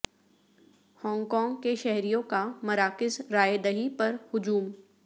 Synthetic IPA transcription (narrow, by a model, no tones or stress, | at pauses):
hɔ̃ːŋɡkɔ̃ːŋɡkeʃɛɦɾijõkamɐɾaːkɪzɾaːjed̪ɐɦipɐɾhʊd͡ʒuːm